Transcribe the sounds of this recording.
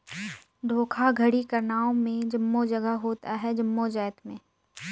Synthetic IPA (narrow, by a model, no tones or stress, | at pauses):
d̪ʱoːkʰaɡʱəɽikɐɾnaːõmẽd͡ʒɐmːod͡ʒɐɡəɦɦoːt̪aɦɛd͡ʒɐmːod͡ʒɛːt̪mẽː